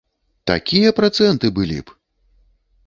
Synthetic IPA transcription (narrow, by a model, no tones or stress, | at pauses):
t̪a̰kʲijɐpɾat̪sɛnt̪ɨbɨlʲḭp